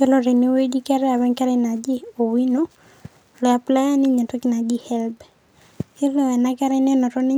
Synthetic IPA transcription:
ke˦lo˦ɾe˨ni˦we˦d͡ʒi˦kɛ˦ɾɛ˦a˨wɛ˦ŋkɛ˦ɾɛ˦na˨d͡ʒi˦o˨wi˦no˦ | lɛ˨a˨pla˦ja˦nɪ˦ɲa˨to˦kɪ˨na˨ɡi˦hɛlb | ke˦lɔ˨ɛ˨na˦kɛ˦ɾɛ˦nɛnɔ˨ɾɔ˦nɪ˦

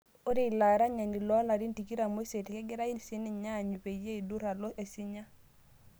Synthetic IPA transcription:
o˦ɾe˦i˨la˨ɾa˦ɲa˨ni˨lɔ˦la˨ɾi˦n˦ti˨ki˦ɾa˨mo˦se˨te˨kɛ˦ɡɪ˦ɾa˦i˦lsi˦ni˦ɲa˦˨ɲu˨pe˨je˦i˨du˦ɾa˨lo˦ʔe˨si˦ɲa˦

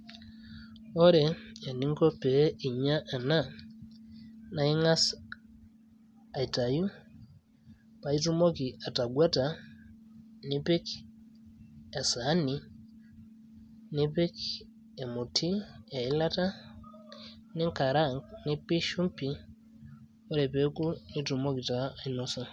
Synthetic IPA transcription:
ɔ˦ɾɛ˨e˨ni˦ŋɡɔ˦pɛ˨˦ʔi˨ɲa˦ʔa˨na˦˨ | na˨ɪ˦ŋa˦s | a˨i˨ta˨ju˦ | pa˨i˦tu˦mɔ˦ki˨a˨ta˨ɡwa˦ta˨ | nɪ˦pe˦k | a˨sa˨˦ni˨ | ni˦pe˦k | e˨mu˨tʰi˦a˨i˦la˦ta˦ | ni˦ŋka˨ɾa˦˨ŋni˦pi˦ʃu˦mpi˨ | ɔ˦ɾɛ˨pe˦ku˦ni˦tu˨mɔ˦ki˨taː˨i˦nɔ˦sa˦˨

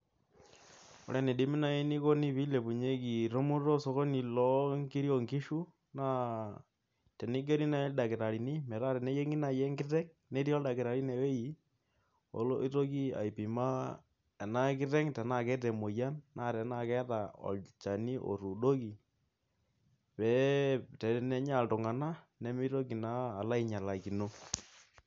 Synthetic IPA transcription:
o̰˨lɛ˦ne˨di˦mi˦na˨i˦ni˦ko˦ni˦βi˦le˨pu˨ɲe˦ki˨ɾo˦mu˦ɾo˦so˨ko˦ni˨lɔ˦ŋki˦ɾi˦o˨ŋɡi˦ʃu˦ | na˦ | tɛ˨ni˦ɡ̬e˦ɾi˦na˦da˨kɪ˨ɾa˨li˨ni˦mɛ˨ɾa˦ɾɛ˨nɛ˦je˦ŋi˦na˨jɛ˦ŋɡɪ˦tɛ˦ŋ | ne˦ɾi˦ɔ˦da˨ki˨ɾa˨ɾi˦nɛ˨we˦ji˨ | o̰˨lo̰˦i˦ɾo˦ki˦a̰˨i˨pi˨ma˦ | ɛ˨na˦kɪ˦ɾɛ˦ŋtɛ˨na˦˨kɛ˦t̬ɛ˨mo˨ja˦nːa˨˦˨ɾɛ˨na˦˨kɛ˦ta˨ɔ̰˨lt͡ʃa˨ni˦ʔo̰˨ɾu˨do˦ki˨ | pɛ˨˦tɛ˨nɛ˦ɲa˦˨ltʊ˨ŋa˨na˦ | nɛ˦mi˦ɾo˦ki˨naː˦˨la˦i˨ɲa˨la˨ki˨no˦

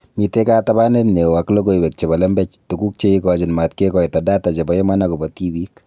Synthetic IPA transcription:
mi˨te˦ka˦ta˨ba˦netne˨waklo˦ko˨i˨wɛ˨k̚t͡ʃe˨bɔ˨lɛ˦mbɛ˦t͡ʃtuku˦k̚t͡ʃe˦ikɔt͡ʃɪ˨nma˨tke˦kɔ˨jtɔda˦ta˨t͡ʃe˨bɔ˨e˦ma˦na˨ku˨bɔ˨ti˦wi˦k

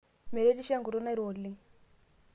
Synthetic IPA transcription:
mɛ˨ɾe˦di˦ʃa˦ŋɡu˨ɾu˦na˦i˦ɾo˨lːi˦ŋ

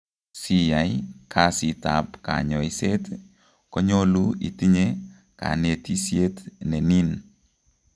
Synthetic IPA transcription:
si˦ja˨jkʰa˨˦si˨ta̰˨pka̰˨ɲɔ˨i˦se˦t̪ | kɔ˦ɲɔ˦lu˦ḭ˨ti˦ɲe˦ | ka̰˨ne˨ti˦sje˦tnɛ˨ni˦n

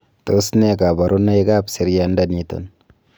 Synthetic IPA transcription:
to˦sne˦ka˨ba˨ɾʔu˦na˦i˦ka˦psɪ˨ɾjanda˨ni˨to̰˨n

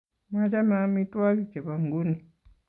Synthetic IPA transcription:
ma˨t͡ʃa˦ma˨˦mi˦twa˦li˦t͡ʃe˨βa˨ŋɡu˦ni˨

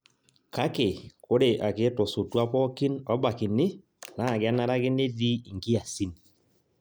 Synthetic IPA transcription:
ka˦ke˨ko˦ɾe˨ʔa˨ke˨˦to˨so˨twa˦pɔ˦ki˦nɔ˦ba˨ki˨nɪ˦ | na˨˦˨ɣa˦na˦ɾa˦ɣe˦ne˦ði˦i˨ŋɡi˦a˨si˦n

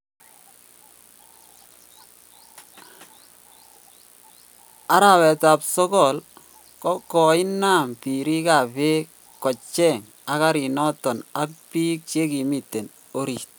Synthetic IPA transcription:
a˨˦ɾa˨wɛ˨ta˨psɔ˦kɔ˨l | kɔ˦kɔ˨ɪ˦nːa˦˨mpi˨ɾi˦ka˨pe˦ | kɔ˨t͡ʃɛ˦˨ŋ | a˨˦ka˦ɾi˨nɔ˦tɔ˨na˦k̚pi˦k̚t͡ʃe˦ki˨mi˨tːe˨n | o˦ɾi˨t̚

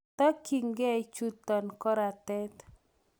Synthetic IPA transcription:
t̪a˦kʰi˨ŋɡe˦˨t͡ʃu˦t̪ːɔ˨nkɔ˦ɾa˨t̪ɛ˦t̪

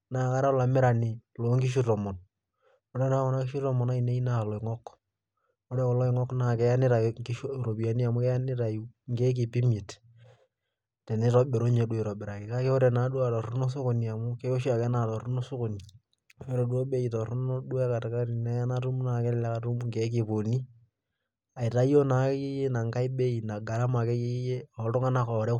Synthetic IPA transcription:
naː˨ka˦ɾa˦la˨mɪ˦ɾa˨ni˨lo˨˦ŋɡɪ˦ʃ̬u˦ɾɔ˨mɔ˨n | o˦ɾɛ˦na˨˦ɔ˨na˦kɪ˦ʃu˦ɾɔ˨mɔ˨na˦i˨ne˦i˦na˦˨lɔ˨ɪ˨ŋɔ˦k | o˦ɾɛ˦kɔ˨lɔ˦ɪ˨ŋɔ˦kna˨kɛ˦ja˦nɪ˦ɾa˨ŋkɪ˦ʃɾo˨bi˨a˨ni˦a˨mʊ˦kɛ˦a˦nɪ˦ɾa˨i˨ŋɡe˦k̬ɪ˨pi˦mi˨t | tɛ˨nɪ˦ɾɔ˦bɛ˨ɾo˦ɲe˨du˦ɛ˨ɾɔ˨bɛ˨ɾa˨kɪ˨ka˦kɛ˦o˦ɾɛ˨na˨du˦a˨tɔ˨rʊ˦nɔ˦sʊ˦ko˨ni˨a˨mʊ˦ke˦o˦ʃ̬a˨kɛ˦na˨tɔ˨rʊ˦nɔ˦sʊ˦ko˨ni˨ | o˦ɾɛ˨du˦o˦be˦i˨tɔ˨ɾʊ˦nɔ˦du˦ɛ˦ka˨tka˦ɾi˨nɛ˦ja˦na˦tʊ˦m˦na˨kɛ˦lla˦ka˦tʊ˦mŋkɛ˦k̬ɪ˨po˨ni˦ | a˨ɪ˨ta˦jo˦na˨˦kɛ˦je˦je˦na˨ŋka˦ɪ˦be˦i˨na˨ɡa˨ɾa˦ma˨kɛ˦ke˦je˦ɔ˨ltʊ˦ŋa˦na˨kɔ˨ɾɛ˦

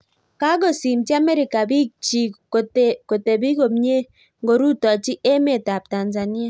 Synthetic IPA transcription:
ka˦ɡ̬o˦˨si˨mt͡ʃi˦a˦mɛ˦ɾi˨ka˨bi˦k̚t͡ʃi˨ | ko˨te˨bi˦ko˨mɲe˦ | ŋɡo˨ɾu˦tɔ˨t͡ʃi˦ʔe˦me˨ta˨p̚ta˨nza˨ni˦a˦˨

